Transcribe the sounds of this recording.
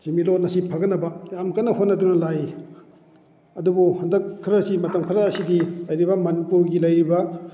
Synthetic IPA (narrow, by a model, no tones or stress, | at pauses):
similot̚nɐsipʰɐɡɐnɐbɐjamkɐnːɐhot̚nɐdunɐlaj | ɐdubuhɐndɐkʰːɾɐsimɐtɐmkʰɾɐːsidilɐjɾibɐmɐnipuɾɡilɐjɾibɐ